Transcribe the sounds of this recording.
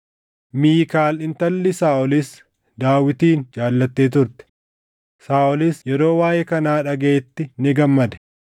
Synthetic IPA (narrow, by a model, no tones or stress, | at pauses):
miːkaːlɪnt̪ɐlːɪsaːʔɔlɪs | d̪aːwɪt̪iːnd͡ʒaːlːɐt̪ːeːt̪ʊɾt̪ɛ̥ | saːʔɔlɪsjɛɾo̞ːwaːjɛkɐnaːᶑɐɡeːt̪ːɪnɪɡɐmːɐd̪ɛ̥